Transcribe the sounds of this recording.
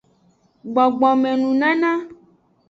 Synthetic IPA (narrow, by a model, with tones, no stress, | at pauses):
ɡ͡bɔ˨ɡ͡bɔ˨mɛ̃˨nũ˨nã˦nã˦